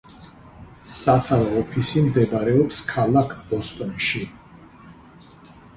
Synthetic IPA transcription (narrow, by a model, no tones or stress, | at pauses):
sat̪ʰavɔɔpʰisimd̪ɛbaɾɛɔpskʰalˠakʰb̥ɔst̪ʼɔnʃi